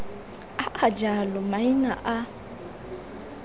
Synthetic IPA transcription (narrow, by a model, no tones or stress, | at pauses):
aʔad͡ʒalɔmaina̰ʔa